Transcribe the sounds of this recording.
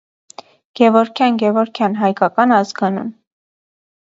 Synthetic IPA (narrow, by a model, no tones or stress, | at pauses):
ɡ̥ɛvɔɾkʰjɑnɡɛvɔɾkʰjɑnɦɑjkɑkɑnɑzɡɑnṵm